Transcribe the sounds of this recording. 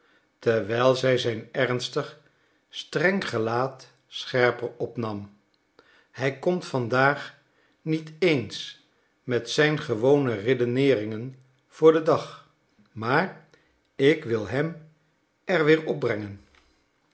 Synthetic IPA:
tɛɹʋɛjlˠzɛjzɛjnɛɹnstəχ | strɛŋχəlaːt | sχɛɹpəɹɔpnɑm | hɛjkɔmtfɑndaːχ | nitejns | mɛtsɛjnχəʋownəredonɪːrɪŋən | v̥ʊːɹdədɑχ | maːɹ | ɪkʋɪlˠɦɛm | ʔɛɹʋɪːɹɔb̚brɛŋən

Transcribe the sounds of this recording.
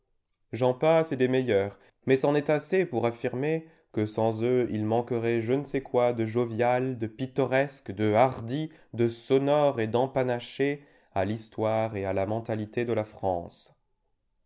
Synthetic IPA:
ʒɑ̃pasɛd̪emɛjœːʁ | mɛsɑ̃nɛt̪asepuʁafiʁme | kəsɑ̃zøilmɑ̃kəʁɛʒənəsɛkwad̪əʒovjald̪əpit̪ɔʁɛskd̪əaʁd̪i | d̪əsɔnɔʁed̪ɑ̃panaʃe | alist̪waʁealamɑ̃t̪alit̪ed̪əlafχɑ̰̃s

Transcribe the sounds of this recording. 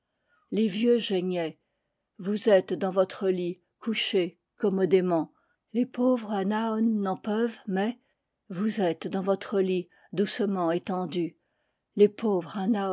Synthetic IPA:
levjøʒɛɲɛ | vuzɛt̪d̪ɑ̃vɔt̪χəli | kuʃe | kɔmɔd̪emɑ̃ | lepovʁanaɔnːɑ̃pœvmɛ | vuzɛt̪d̪ɑ̃vɔt̪χəli | d̪usəmɑ̃et̪ɑ̃d̪y | lepovʁana

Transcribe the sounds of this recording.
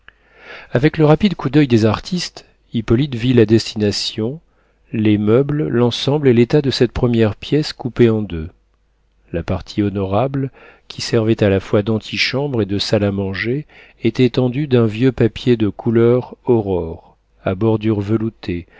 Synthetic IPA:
avɛkləʁapid̪kud̪œjd̪ezaʁt̪ʰist̪ | ipɔlit̪vilad̪ɛst̪inasjɔ̃ | lemœbllɑ̃sɑ̃blelet̪ad̪əsɛt̪̚pχəmjɛʁpjɛskupeɑ̃d̪ø | lapaʁt̪ʰiɔnɔʁabl | kʲi̥sɛʁvɛt̪alafwad̪ɑ̃t̪ʰiʃɑ̃bʁed̪əsalamɑ̃ʒeː | t̪ɛt̪ɑ̃d̪yd̪ɛ̃vjøpapjed̪əkʰulœʁɔʁɔʁ | abɔʁd̪yʁvəlut̪ʰe

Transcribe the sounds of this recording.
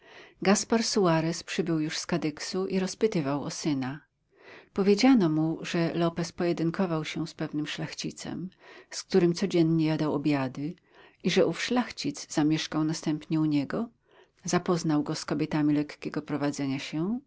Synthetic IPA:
ɡaspaɾsuaɾɛspʂɘbɘwjuʂskad̪ɘksuʔiɾɔspɘt̪ɘvawɔsɘna | pɔvʲjed͡ʑanɔmuʐɛlɔpɛspɔjɛd̪ɘŋkʰɔvawɕɛspɛvnɘmʂlaxt͡ɕit̪sɛ̰msk̚t̪uɾɘmt̪sɔd͡ʑɛnɲɛjad̪awɔbʲjad̪ɘ | iʐɛʔufʂlaxt͡ɕid̪zz̥amʲjɛʂkawnast̪ɛmpɲɛuɲɛɡɔ | zapɔznawɡɔskɔbʲjɛt̪amʲilɛkkʲɛɡɔpɾɔvad̪zɛɲaɕɛ

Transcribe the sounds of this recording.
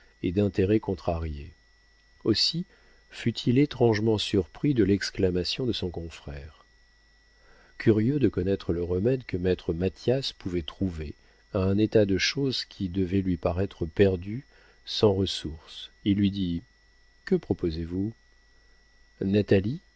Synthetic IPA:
ed̪ɛ̃t̪eʁɛkɔ̃t̪χaʁje | osi | fyt̪ʰilet̪χɑ̃ʒmɑ̃syʁpχid̪əlɛksklamasjɔ̃d̪əsɔ̃kɔ̃fχɛːʁ | kʲʰyʁjød̪əkɔnɛt̪χələʁəmɛd̪kəmɛt̪χəmat̪jaspuvɛt̪χuve | aɛ̃net̪ad̪əʃozkʲʰid̪əvɛlɥipaʁɛt̪χəpɛʁd̪y | sɑ̃ʁəsuʁsilːɥid̪i | kəpχɔpozevu | nat̪ali

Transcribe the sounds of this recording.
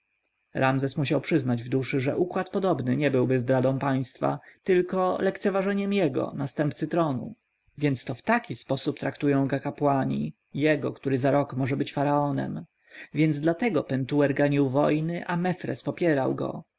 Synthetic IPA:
ɾamzɛsmuɕ̬awpʂɘznad͡ʑvd̪uʂɘʐɛ̰ʔukwat̪pɔd̪ɔbnɘɲɛbɘwbɘzd̪ɾad̪ɔ̃w̃paj̃st̪fa̰t̪ɘlkɔlɛkt̪sɛvaʐɛɲɛmjɛɡɔ̰nast̪ɛmpt̪sɘt̪ɾɔnṵ | vʲjɛnt̪st̪ɔft̪akʲispɔsupt̪ɾakt̪ujɔ̃w̃ɡakapwaɲḭ | jɛɡɔkt̪uɾɘzaɾɔkmɔʐɛbɘt͡ɕfaɾaɔnɛ̰m | vʲjɛnd̪zd̪lat̪ɛɡɔpɛnt̪uwɛɾɡaɲiwvɔjnɘʔamɛfɾɛ̰spɔpʲjɛɾawɡɔ̰

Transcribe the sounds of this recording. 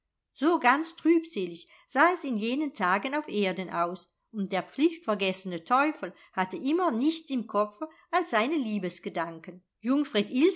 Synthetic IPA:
z̥oːɡant͡stʁ̥yːpz̥eːlɪç | z̥aːɛsɪnjeːnəntʰaːɡənaʊfʔeːɐdənʔaʊs | ʊnt̚d̥eːɐp͡flɪçtfɛɐɡɛsənətʰɔʏfl̩ | hatəʔɪmɐnɪçt͡sɪmkʰɔp͡fə | alsz̥aɪnəliːbəsɡ̥ədaŋkən | jʊŋfʁ̥etɪl

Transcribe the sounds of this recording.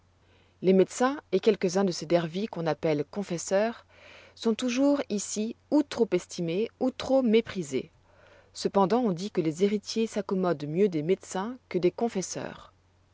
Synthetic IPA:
lemed̪sɛ̃ekʲɛlkəzɛ̃d̪əsed̪ɛʁvikɔ̃napɛlkɔ̃fɛsœʁ | sɔ̃t̪uʒuʁisiut̪χopɛst̪imeut̪χomepχizḛ | səpɑ̃d̪ɑ̃ɔ̃d̪ikəlezeʁit̪jesakɔmɔd̪mjød̪emed̪sɛ̃kəd̪ekɔ̃fɛsœ̰ːʁ

